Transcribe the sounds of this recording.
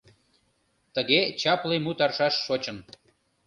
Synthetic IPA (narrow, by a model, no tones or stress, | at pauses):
t̪əɣet͡ɕɑplijmut̪ɑrʃɑʃːot͡ɕən